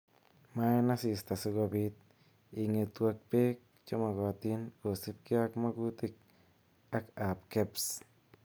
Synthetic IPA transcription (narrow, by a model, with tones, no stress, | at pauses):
ma˦na˦si˧st̪a˨se˧ɡo˧bi˧t̪̚ | i˨˧ŋe˧˨t̪wa˧k̚pe˦k̚t͡ʃo˦ma˨ɡa˨t̪i˦nko˨si˦p̚kja˦kma˦ɡu˦t̪i˧k̚ | a˦ka˨pke˦ps